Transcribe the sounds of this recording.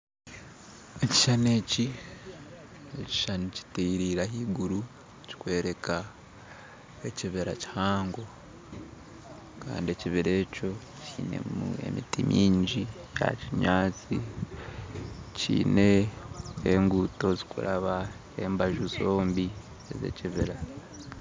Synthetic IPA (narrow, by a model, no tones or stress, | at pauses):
eci̥ʃane̞ːci | eci̥ʃanici̥tiɾiɾaɦiːɡuɾu | ci̥kwe̞ːɾe̞kʰa | eciβeɾa̰ci̥haːŋɡo̞ | ka̰ːndieciβiɾe̞ːco̞ | ciːne̞̰mṵe̞̰mitimʔiːɲɟija̰ciɲaːt͡si | cḭːne̞ | eŋɡuto̞zikuɾaβa | eːmbaʒuzo̞ːmbi | eze̞̰ciβiɾa